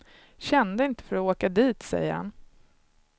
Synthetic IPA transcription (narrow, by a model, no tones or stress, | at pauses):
ɕɛnd̪əɪnt̪ə̥fœɾɔoːkad̪iːt̪sɛ̰jːəɾha̰n